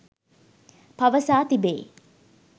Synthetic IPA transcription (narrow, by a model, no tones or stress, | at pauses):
pɐʋəsaːt̪ibḛː